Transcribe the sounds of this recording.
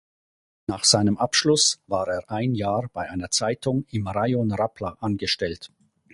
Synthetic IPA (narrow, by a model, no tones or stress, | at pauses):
naːχz̥aɪnəmʔapʃlʊsvaːʁeːɐʔaɪnjaːʁb̥aɪʔaɪnɐt͡saɪtʊŋɪmʁajonʁapʰlaʔanɡəʃtɛlt